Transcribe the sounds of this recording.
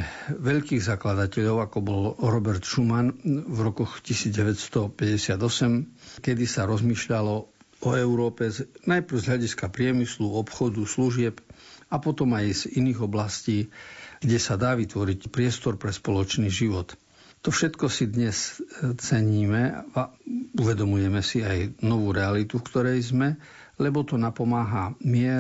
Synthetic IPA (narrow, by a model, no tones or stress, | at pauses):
ʋɛʎkiːɣzaklad̪acɛʎɔʊakɔbɔlɾɔbɛɾt̪ʃumanvɾɔkɔxcisiːd͡zɟɛʋɛcst̪ɔpɛɟɛsɪad̪ɔsɛmkɛd̪isaɾɔzmiːʃʎalɔ | ɔɛʊɾɔːpɛnajpɾ̩ʊzɦʎaɟiskapɾɪɛmisluɔpxɔd̪usluʒɪɛpapɔt̪ɔmajziniːɣɔblasciːɡɟɛsad̪aːʋit̪ʋɔɾicpɾɪɛst̪ɔɾpɾɛspɔlɔt͡ʃniːʒiʋɔt̪ | t̪ːɔfʃɛt̪kɔsid̪ɲɛst͡sɛɲiːmɛauʋɛd̪ɔmujɛmɛsiajnɔʋuːɾɛalit̪ufkt̪ɔɾɛjzmɛ | lɛbɔt̪ɔnapɔmaːɦamɪɛ